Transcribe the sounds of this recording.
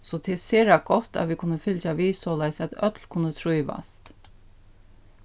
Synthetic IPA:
sɔt̪ʰeːseːɾaɡɔt̪a̰ʋiːkʰʊnːəfɪlt͡ʃaʋiːsɔlajsæt̪œ̰t̪lkʰʊnːət̪ʰɾujʋa̰st̪

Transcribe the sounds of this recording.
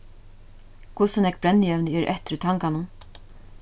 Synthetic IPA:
kʰʊsənɛk̚b̥ɾɛnːɪɛʋnəɛɾʔɛ̰ht̪ɪɾt̪ʰaŋkanʊn

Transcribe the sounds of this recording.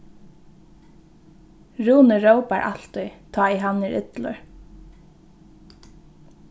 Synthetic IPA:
ɹuːnəɹowpa̰ɹʔa̰l̥t̪ɔjt̪ʰɑːiɦanːɪɹʔʏ̰t̪lʊ̰ɹ

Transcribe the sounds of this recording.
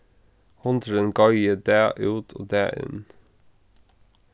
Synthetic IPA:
hʊnd̪ɾənɡɑjəd̪æːʔʉːt̪ʰo̰ːd̪æːɪ̰n

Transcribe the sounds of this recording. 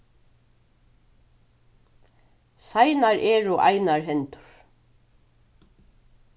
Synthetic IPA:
sajnaɹʔɛːɹuʔa̰jnaɹɦɛnt̪ʊ̥ɾ̥

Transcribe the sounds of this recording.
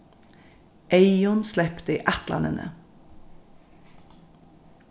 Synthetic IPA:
ʔeɪɔnslɛpt̪əḭːʔæt̪lɑ̰nə̰nʔə̰

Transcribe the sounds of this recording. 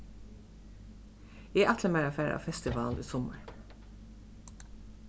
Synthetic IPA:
eːʔɑt̪ləmæːɾɑfæːɾʔɑ̰ːfɛst̪ɪʋɑ̰ːlḭːsɔmə̰ɹ

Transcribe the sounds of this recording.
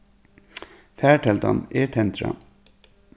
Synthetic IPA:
fæːʈʰɛld̪ɑ̰neːt̪ʰɛnt̪ɾɑ̰

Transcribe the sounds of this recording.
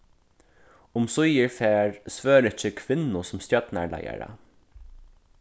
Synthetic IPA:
ʊmsʊjɪɹfeːɹsʋøːɾɪt͡ʃəkʰʋɪnːʊsʊmst̪jœt̪naɹla̰ja̰ɹa̰

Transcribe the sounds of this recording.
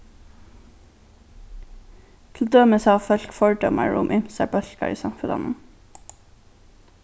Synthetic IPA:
t̪ʰl̩d̪øːməsæːɑːfœlkfɔɹɖɔmʔə̰ɹʊ̰mʔɪmsæbœɬkɑ̰ʔḭːsɑmfʉd̪ɑ̰nn

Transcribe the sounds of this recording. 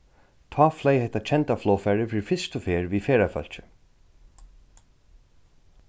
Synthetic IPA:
t̪ʰɑːflɛːjhɛht̪ːat͡ɕʰɛnt̪aflɔːfɛɹɪfɪfɪst̪ʊfeːɹviːfeːɾafœ̰l̥t͡ɕɪ̥

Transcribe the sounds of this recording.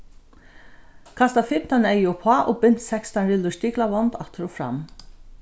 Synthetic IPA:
kʰast̪afɪm̥t̪anɛjʊpʰaʔobʏn̥t̪sɛkst̪anɾɪlʊʂt̪iːklaʋɔnt̪at̪ʰɾufɾa̰m

